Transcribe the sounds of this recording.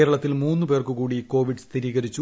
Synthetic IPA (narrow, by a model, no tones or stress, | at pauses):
eːɾɐɭɐt̪ːilmuːnːupe̞ːrkukuːɽiko̞ːʋiɖɨst̪ʰiɾiːɣɐɾit͡ɕːu